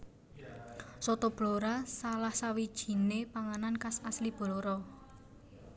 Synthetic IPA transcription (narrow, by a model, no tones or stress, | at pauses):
sɔt̪ɔb̥loɾasalahsawid̥ʒ̥i̤nepaŋanankasaslib̥ɔloɾɔ